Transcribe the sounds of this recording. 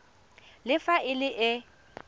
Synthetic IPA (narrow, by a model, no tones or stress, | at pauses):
lɪfaɪlɪʔɪ